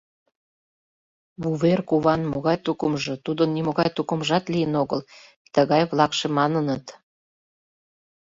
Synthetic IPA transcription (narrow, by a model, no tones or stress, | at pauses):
βuβerkuβɑnmoɣɑjt̪ukəmʒɤ̆t̪ud̪ənːimoɣɑjt̪ukə̆mʒɑt̪lijənoɣəl | t̪əɣɑjβlɑkʃemɑnənət̪